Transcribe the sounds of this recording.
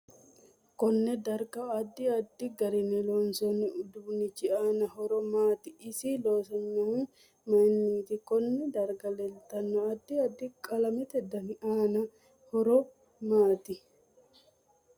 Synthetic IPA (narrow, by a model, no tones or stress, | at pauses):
kɔnːɛd̪ɐɾɡɐɐd̪ːɪɐd̪ːɪɡɐɾɪnɛlɔːnsɔnɪʊd̪uːnɪt͡ʃːɪaːnɐɦɔɾɔmaːt̪ɪʔɪsɪloːsɐɲːɐ | mɐjnːiːt̪ɪkɔnːɛd̪ɐɾɡɐlɛlt̪ɐnːɔɐd̪ːɪɐd̪ːɪkʼɐlɐmɪt̪ɛd̪ɐnɪʔaːnɐ | hɔɾɔ | maːt̪ɪ